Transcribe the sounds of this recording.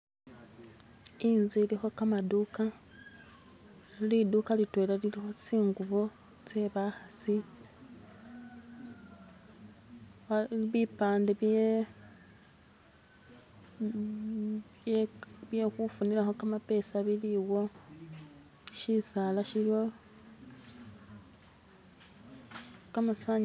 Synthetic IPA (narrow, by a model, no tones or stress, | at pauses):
inzilixo̞kamaduka | lidukalitwe̞ːlalilixo̞t͡siːŋɡuβo | t͡se̞βaxat͡si | βipaːndeβ | βje̞xufuniɾaxo̞kamape̞ːsaβiliwo̞ | ʃisalaʃilio | kamasaɲ